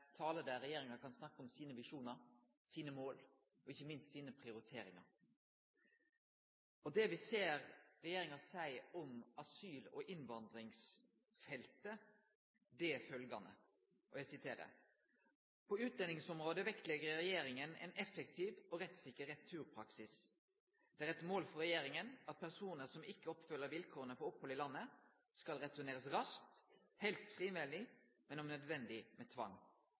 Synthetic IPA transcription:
t̪ʰɑːləd̪æɾɛjeːɾɪŋɑkʰɑnsnɑkːəɔmsiːnəʋɪʂuːnɑɾ | siːnəmoːl | ɔɪçːəmɪnst̪siːnəpʰʁɪʊɾɪt̪ʰeːɾɪŋɑ̰ɾ | ɔd̪ɛʋɪseːɾɾɛjeːɾɪŋɑsæɪɔmɑsyːlɔ̰ʔɪnʋɑnd̪ɾɪŋs | fɛlt̪ə | d̪ɛfœlɡɑnə̰ | ʔɔjæɪsɪt̪ʰeːɾə̰ | pʰɔʉːt̪̚d̪ɛnɪŋsɔmʁoːd̪əʋɛkt̪lɛɡəɾɾɛjeːɾɪŋənɛ̰nɛfək̚t̪ʰiːʋɔɾɛt̪sɪkːəɾɛt̪ʰːʉːɾpʰɾɑksɪs | d̪̥ɛæʁɛt̪moːlfɔɾɛjeːɾɪŋənɑt̪̚pʰæʁsuːnəɾsɔmɪkːəɔpfœlːəɾʋɪlkʰoːʁənəfɔɾɔphɔlɪlɑnːə | skɑlɾɛt̪ʊneːʁəsɾɑsk̚t̪ | hɛlst̪fʁiːʋɪlːɪmɛnɔmnœd̪ʋɛnd̪ɪmʔɛt̪ʰʋɑ̰ŋː

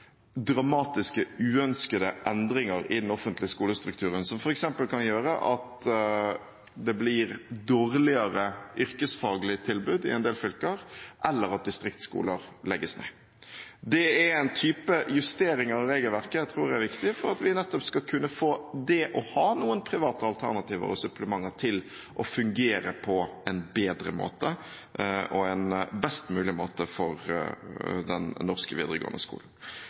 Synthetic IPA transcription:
d̪ɾɑmɑːt̪ɪskəʉːœnskəd̪əʔɛnd̪ɾɪŋəɾɪ̰d̪ɛnɔfənt̪lɪəskuːləst̪ɾʉk̚t̪ʰʉːɾənsɔmfɔɾɛksɛmpəlkʰɑnjøːɾə̰ʔɑt̪ | d̪ɛblɪɾd̪oːɾlɪəɾəʔʏɾkəsfɑːɡlɪt̪ʰɪlbʉd̪ɪ̰ɛnd̪eːlfʏlkəɾʔɛlːəɾɑt̪̚d̪ɪst̪ɾɪkt̪skṵːləɾlɛɡːəsnḛː | d̪ɛɛɾɛɪnt̪ʰyːpəjʉst̪eːɾɪŋəɾɔɾeːɡəlʋæʁkət̪ʰɾuːɾd̪ɛæʋɪkt̪ɪfɔɾɑt̪ʋɪnɛt̪ːɔpskɑkʰʉnːəfoːd̪ɛʔɔhɑːnuːənpʰɾɪʋɑːt̪əɑlt̪ʰæʁnɑt̪ʰiːʋə̰ɾɔsʉpləmɑŋːəɾt̪ʰɪl | ʔɔfʉŋɡeːɾəpʰɔɛnbeːd̪ɾə̰mo̰ːt̪ə | ʔɔɛnbɛst̪mʉːlɪmoːt̪əfɔɾ | d̪ɛnːɔʁskəʋḭːd̪ɾəɡo̰ːənə̰skṵːln̩

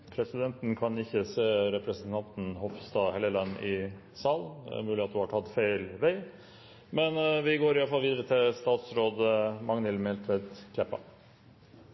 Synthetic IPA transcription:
pʰɾɛsɪd̪ɛnt̪n̩kʰɑnɪçːəseːɾɛpɾəsənt̪ʰɑnt̪n̩hɔfst̪ɑːhɛləlɑnɪ | sɑːl̰mʉːlɪɑt̪hʊhɑʈʰɑt̪feɪlʋæɪ | mɛnʋɪɡoːɾɪjɑləfɑlːʋiːd̪əɾət̪ʰɪlst̪ɑːt̪sɾoːd̪əmɑŋnɪlmɛlt̪ʰʋɛt̪kʰlɛpːɑ̰

